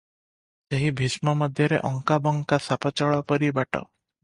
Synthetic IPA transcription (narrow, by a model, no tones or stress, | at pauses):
seɦibʱismɔmɔd̪ʱjɔɾḛʔɔŋkabɔŋkasapɔt͡ʃɔɭapɔɾibaʈɔ̰